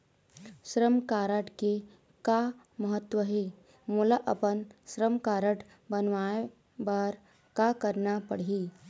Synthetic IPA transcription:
ʃɾəmkaːɾəʈke | ka | məɦət̪ːwəɦeː | muːlaʔəpənʃɾəmkaːɾəʈʰ | bənʋaːe | baːɾ | kakəɾnapəɽ̤iː

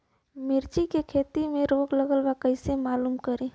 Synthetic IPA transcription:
mɪɾt͡ʃikekʰeːt̪imẽɾoːɡləɡəlwakəɪsemaːluːmkəɾẽː

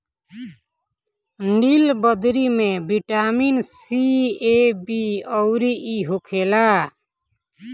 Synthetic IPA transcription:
ɳɖilbəd̪ɾimebiʈaminsiebiɔʊɾiʔiɦokʰela

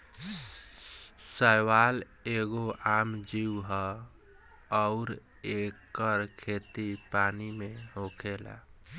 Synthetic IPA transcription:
səjwaleɡoamd͡ʒiwɦə | ɔʊɾekːəɾkʰet̪ipaːnimeɦokʰela̰

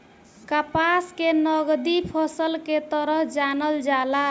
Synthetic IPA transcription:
kapaskenəɡd̪ipʰɔsəlket̪əɾəɦd͡ʒanəld͡ʒala

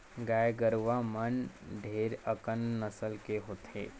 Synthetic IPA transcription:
ɡaːjɡəɾʋamənɖʱeːɾəkənːəsəlkeɦoːt̪ḛː

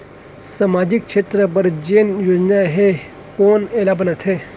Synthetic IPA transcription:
samaːd͡ʑik̚kʃʰeːt̪ɾəpəɾd͡ʒeːnjoːd͡ʒnaɦe | koːnelabənət̪ʰe

